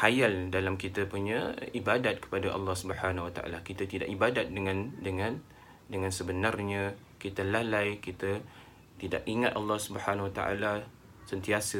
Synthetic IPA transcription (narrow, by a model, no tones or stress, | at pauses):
hajaldalamkit̪əpuɲaibadat̪̚kə̥padaʔɑ̰lːɑhsubəhanwat̪a̰ʔa̰lakit̪at̪idaʔibadat̪̚dəŋãndəŋãn | dəŋãnsəbənarɲã | kit̪alalajkit̪ə | t̪ida̰ʔiŋat̪ʔɑlːɑhsubəhanawat̪a̰ʔa̰la | sənt̪iasə